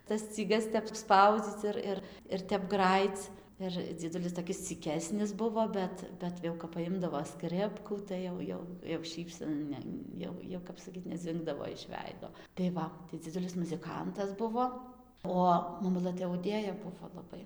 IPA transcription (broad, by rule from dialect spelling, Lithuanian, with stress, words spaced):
tɐs sʲt͡sʲiːˈɡɐs tʲɛp ˈspɐʊd͡zʲiːt͡s ˈɪr ˈɪr ɪr ˈtʲɛp ˈɡrɑːjiːt͡s ˈɪr d͡zʲiɛˈdʊlʲɪs toːˈkʲɪs t͡sʲiːˈkʲæːsʲnʲɪs ˈbʊʋoː ˈbʲɛt ˈbʲɛt jɛʊ kɐp pɐˈjɪmdɐʋoː ˈskrʲɪpkuː ˈtɐɪ jɛʊ ˈjɛʊ jɛʊ ˈʃʲiːpʲsʲɛn ˈnʲɛ ˈjɛʊ jɛʊ kɐp sɐˈkʲiːt nʲɛˈd͡zʲɪŋɡdɐʋoː ɪʃ ˈʋʲɛɪdoː tɐɪ ˈʋɐ tɐɪ d͡zʲɪˈdʊlʲɪs mʊzʲɪˈkɐntɐs ˈbʊʋoː ˈoː mɐˈmʊlˠɘ tɐɪ ɐʊˈdʲeːjɛ ˈbʊʋoː lˠɐˈbɐɪ